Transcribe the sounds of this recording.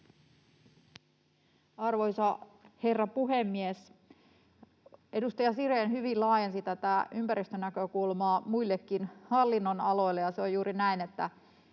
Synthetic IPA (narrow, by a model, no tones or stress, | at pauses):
ɑrʋo̞jsɑhe̞rːɑpuɦemːies | e̞dust̪ɑjɑsiɾenhyʋillɑːjensit̪æt̪æʔympæɾist̪ønækø̞kulmɑːmuilːekːinhɑlːinːonɑlo̞jlːejɑseojuːɾinæine̞t̪ːæ̰